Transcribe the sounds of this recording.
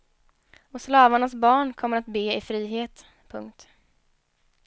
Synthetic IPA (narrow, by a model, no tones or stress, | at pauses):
ɔslɑːvaɳasbɑːɳkʰɔmːəɾat̪beːɪfɾiːɦeːt̪ | pʰɵŋk̚t̪